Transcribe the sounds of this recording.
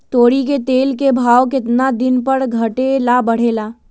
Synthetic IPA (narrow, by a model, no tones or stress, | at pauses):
t̪oːɽiket̪eːlkebʱaːwkɪt̪nad̪ɪnpəɾɡʱɐʈelabɐɽ̤elaː